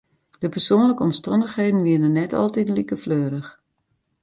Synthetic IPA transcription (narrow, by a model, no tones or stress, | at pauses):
d̥əpərsoːnləkəɔmstɔndəxheːdən̩ʋiənənːɛtɔ̰lˠtitlikəfløːɾəx